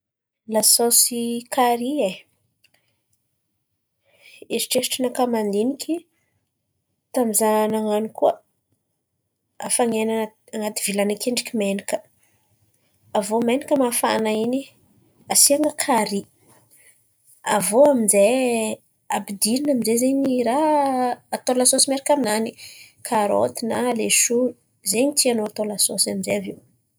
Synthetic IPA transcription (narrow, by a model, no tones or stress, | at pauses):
lasosikʰaɾie | eɾi̥ʈ͡ʂesi̥ʈ͡ʂinakamand̪inikʲi | t̪amizanaŋanikuə | a̰faŋena | aŋat̪ivilanakʰeɳɖ͡ʐi̥kʲimenikə̥ | avomenikəmafa̰naini | asiaŋəkʰaɾi | a̰voaminze | a̰bid̪ininaminzezeɲiɾaː | t̪olasosimeɾikʲaminanikʰaɾo̰t̪inaleʃuni | zeɲit̪ianoat̪olasosaminzeaviw